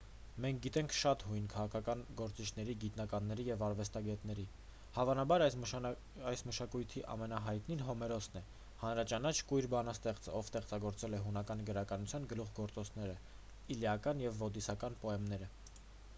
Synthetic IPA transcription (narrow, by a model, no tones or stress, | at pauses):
mɛŋk̚ʰɡit̪ɛŋkʰʃɑt̪hujnkʰɑʁɑkʰɑkɑnɡɔɾt͡sit͡ʃʰn̪ɛɾiɡit̪nɑkɑnːɛɾijɛvɑɾvɛst̪ɑɡɛt̪n̪ɛɾi | hɑvɑnɑbɑɾ | ɑjsməʃɑkujt̪ʰiʔɑ̰mɛnɑɦɑjt̪ninɦɔmɛɾɔsnɛ | hɑnɾɑt͡ʃɑnɑt͡ʃʰkujɾbɑnəst̪ɛχt͡səɔvst̪ɛχt͡sɑɡɔɾt͡sɛlɛɦunɑkɑnɡəɾɑkɑnut͡sʰjɑnɡəluʁɡɔɾt͡sɔt͡sʰnɛɾə | iljɑkɑnjɛvːɔd̪isɑkɑnpɔɛmnɛɾə